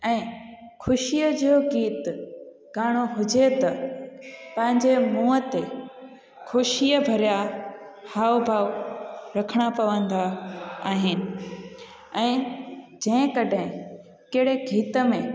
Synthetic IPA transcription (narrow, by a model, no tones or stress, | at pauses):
ɛ̃ːxʰʊʃijəd͡ʑioɡiːt̪ | ɡ̥aːɽ̃oɦʊd͡ʑet̪ɐ | pɐ̃ɦɪ̃ɲd͡ʑemuːət̪e | kʰʊʃiəbʱɐɾja | haːbʱaːʋɾɐkʰəɽ̃apɐʋə̃nd̪aaːɦɪnɪ̆ | ɛ̃ːd͡ʑɐ̃ɦɪ̃kɐɖʱɦɪ̃ | kɐɦɪɽ̤eɡʱiːt̪əmẽ